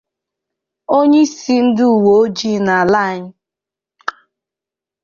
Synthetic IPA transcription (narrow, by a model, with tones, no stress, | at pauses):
o˦ɲe˦i˦si˦n̩˦du˦u˨wo˨o˦d͡ʒi˦na˨la˦a˨ɲɪ˦